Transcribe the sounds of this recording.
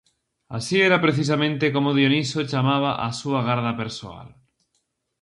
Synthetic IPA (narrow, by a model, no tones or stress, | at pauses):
a̰sieɾapɾeθis̬amẽnt̪ekomoð̞jonisot͡ʃamaβ̞aʔasuaɣaɾðapeɾsoa̰l